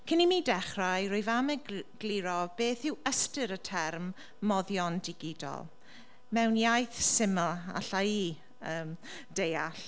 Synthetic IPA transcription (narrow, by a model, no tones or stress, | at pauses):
kʰənimidɛχrajɾʊjvaməɡɡ̥liɾɔb̥eːθɪwəstɨɾətʰɛrmː | ɔðjɔndɪɡɪdɔ̰lˠ | mɛwnjajθsɪməlˠa̰ɬai | əːm | d̥ejaɬ